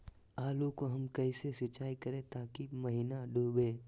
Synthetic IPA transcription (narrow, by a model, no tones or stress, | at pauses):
aːlokoɦɐmkɐɪsesɐt͡ʃaːikɐɾẽt̪aːkimɐɦiːnaɖʱuːbẽː